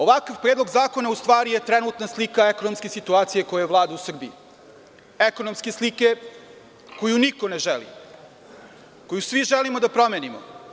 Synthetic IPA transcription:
o̞ʋakaʋpɾeːd̪lo̞ɡzaːko̞naust̪ʋaːɾijet̪ɾenut̪naslikaekonomskesit̪uaːt̪sijeko̞jajeʋlˠaːd̪ausr̩bii | ekonomskeslike | ko̞junikoneʒelḭ | ko̞jusʋiʒelimod̪apɾo̞meːnimo̰

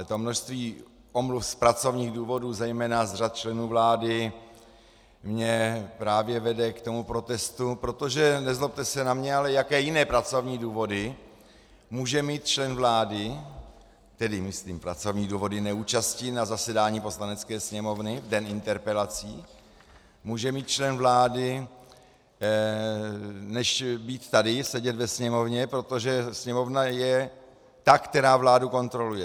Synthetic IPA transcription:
t̪omno̞ʃst̪viː | ʔo̞mlufspɾat͡so̞vɲiːɣduːvo̞duːzɛjmɛːnazr̝at̪̚t͡ʃlɛnuːvlaːdɪ | mɲɛpɾaːvjɛvɛdɛkt̪o̞mupɾo̞t̪ɛst̪upɾo̞t̪o̞ʒɛnɛzlop̚t̪ɛsɛnamɲɛalɛjakɛːjɪnɛːpɾat͡so̞vɲiːduːvo̞dɪ | muːʒɛmiːt̪̚t͡ʃlɛnvlaːdɪ | t̪ɛdɪmɪsliːmpɾa̰t͡so̞vɲiːduːvo̞dɪnɛuːt͡ʃascɪnazasɛdaːɲiːpo̞slanɛt͡skɛːsɲɛmo̞vnɪvdɛnɪnt̪ɛɾpɛlat͡siː | muːʒɛmiːt̪̚t͡ʃlɛnvlaːdɪ | nɛʃbiːt̪t̪ːadɪsɛɟɛt̪vɛsɲɛmo̞vɲɛpɾo̞t̪o̞ʒɛsɲɛmo̞vnajɛ | t̪akt̪ɛɾaːvlaːduko̞nt̪ɾo̞lujɛ

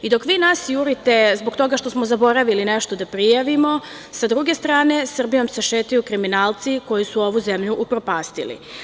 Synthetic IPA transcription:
id̪o̞kʋiːnaːsjuɾit̪e̞zbokt̪o̞ɡaʃt̪o̞smozabo̞ɾaʋilineʃt̪od̪apɾijaʋimo̞ | sad̪ɾuɡe̞st̪ɾaːne̞sr̩bijo̞mseʃeːt̪ajukɾiminaːlt̪siko̞jisuo̞ʋuzemʎuʔupɾopaːst̪ḭlḭ

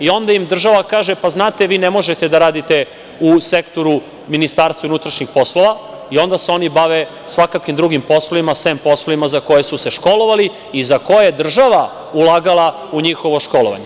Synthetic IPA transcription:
io̞nd̪aimd̪r̩ʒaʋakaːʒepaznaːt̪eʋiːnemo̞ʒet̪ed̪aɾaːd̪it̪e̞ | usekt̪o̞ɾu | minist̪aːɾst̪unut̪ɾaʃɲixpo̞slo̞ʋa | io̞nd̪aseo̞nibaʋe | sʋakakʋimd̪ɾuɡimpo̞sloʋimasʋempo̞sloʋimazako̞jesuse̞ʃko̞lo̞ʋali | izakojajed̪r̩ʒaʋa | ulˠaɡalˠa | uɲixo̞ʋo̞ʃko̞loʋa̰ɲe

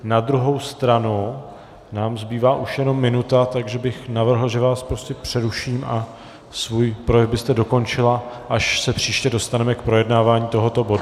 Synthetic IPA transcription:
nad̪ɾuɦo̞wst̪ɾanu | naːmzbiːvaːʔuʃjɛno̞mːɪnut̪at̪aɡʒɛbɪxnavr̩ɦl̩ʒɛvaːspɾo̞scɛpr̝̥ɛɾuʃiːmʔa | svuːjpɾojɛvbɪst̪ɛdo̞ko̞nt͡ʃɪlaʔaʃsɛpr̝̥iːʃcɛdo̞st̪anɛmɛkpɾo̞jɛdnaːvaːɲiːt̪o̞ɦo̞t̪o̞bo̞du

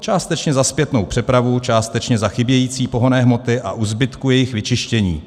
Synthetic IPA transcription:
t͡ʃaːst̪ɛt͡ʃɲɛzaspjɛt̪no̞wpr̥ɛpɾavut͡ʃaːst̪ɛt͡ʃɲɛzaxɪbjɛjiːt͡siːpo̞ɦo̞nɛːɦmo̞t̪ɪʔaʔuzbɪt̪kujɛjɪxvɪt͡ʃɪʃcɛɲḭː

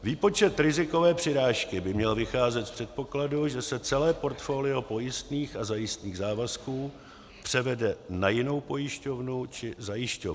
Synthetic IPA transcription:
viːpo̞t͡ʃɛt̪ɾɪzɪko̞vɛːpr̥ɪɾaːʃkɪbɪmɲɛlvɪxaːzɛt̪fpr̝̥ɛt̪̚po̞kladuʒɛsɛt͡sɛlɛːpo̞ɾt̪fo̞ːlɪo̞po̞jɪst̪niːxazajɪst̪niːɣzaːvaskuː | pr̝̥ɛvɛdɛnajɪno̞wpo̞jɪʃco̞vnut͡ʃɪzajɪʃcov

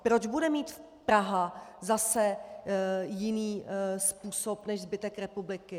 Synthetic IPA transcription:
pɾo̞d͡ʒbudɛmiːt̪ | pɾaɦazasɛ | jɪniːspuːsopnɛʃzbɪt̪ɛkɾɛpublɪkɪ

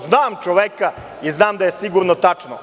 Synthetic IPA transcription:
znaːmt͡ʃoʋeka | iznaːmd̪ajesiɡuɾnot̪at͡ʂno

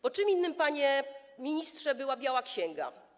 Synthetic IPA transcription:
bɔt͡ʂɨminːɘmpaɲɛ | mʲiɲist̪ʂɛbɘwabʲjawakɕɛŋɡa̰

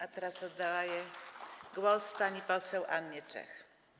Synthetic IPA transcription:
at̪ɛɾasɔd̪dːawajɛɡwɔspaɲipɔsɛwʔanːɛt͡ʂɛ̰x

